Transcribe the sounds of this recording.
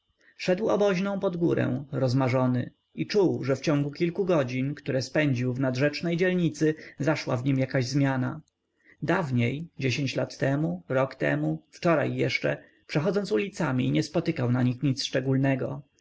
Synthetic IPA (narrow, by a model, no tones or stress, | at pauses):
fʂɛd̪wɔ̰bɔʑnɔ̃w̃pɔd̪ɡuɾɛ̰w̃ɾɔzmaʐɔnɘ̰ | it͡ʂuwʐɛft͡ɕɔ̃ŋɡukʲilkuɡɔd͡ʑinkt̪uɾɛspɛɲd͡ʑiwvnad̪ʐɛt͡ʂnɛjd͡ʑɛlɲit̪sɘzaʂwa̰vɲimjakaʑzmʲjana̰ | d̪avɲejd͡ʑeɕeɲt͡ɕlat̪ːɛmuɾɔkt̪ɛ̰muft͡ʂɔɾa̰jːɛʂt͡ʂɛ̰ | pʂɛxɔd̪zɔnt̪sulʲit̪samʲḭɲɛspɔt̪ɘkawnaɲixɲit̪sʂt͡ʂɛɡulnɛɡɔ̰